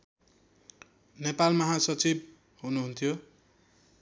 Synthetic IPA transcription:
nepalmʌɦasʌt͡sib | ɦunuɦunt̪ʰijo

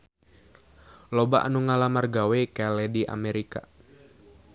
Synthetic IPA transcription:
lobaʔa̰nuŋalamarɡawekalɛdiʔa̰mɛɾika̰

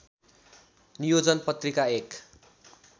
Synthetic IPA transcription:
nijod͡zʌnpʌt̪rikaek

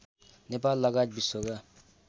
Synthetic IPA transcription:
nepalːʌɡat̚bisoɡa

